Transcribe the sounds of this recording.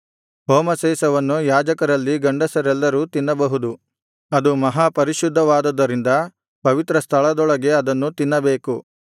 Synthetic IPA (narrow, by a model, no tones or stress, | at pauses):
ɦoːmɐseːsɐʋɐnːujaːd͡ʒɐkɐɾɐlːiɡɐɳɖɐsɐɾɛlːɐɾuːt̪inːɐbɐɦud̪u | ɐd̪umɐɦaːpɐɾiʃud̪ʱːɐʋaːd̪ɐd̪ːɐɾind̪ɐ | pɐʋit̪ɾɐst̪ʰɐɭɐd̪ɔɭɐɡe̞ɐd̪ɐnːut̪inːɐbe̞ːku